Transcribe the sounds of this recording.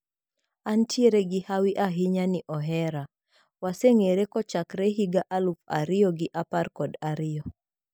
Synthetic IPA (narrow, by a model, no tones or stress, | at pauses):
antieɾeɡihawiʔaɦiɲaniʔɔɦɛɾa | waseŋeɾekɔt͡ʃakɾeɦiɡaʔalufa̰ɾiɔɡɪʔapaɾkɔdaɾiɔ